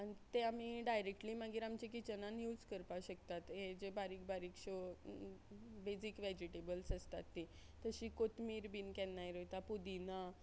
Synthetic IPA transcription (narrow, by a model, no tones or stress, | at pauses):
anit̪eamiɖajɾek̚ʈliːmaɡiːɾamt͡ɕikit͡ɕənãnjuːd͡zkəɾpaɕəkt̪at̪ɦed͡ʑebaɾiːk̚baɾiːkɕo | bed͡zikʋed͡ʑiʈebəlsəst̪a̰t̪ːi | t̪əɕiːkot̪miːɾbiːnkɛnːajɾojt̪apud̪ina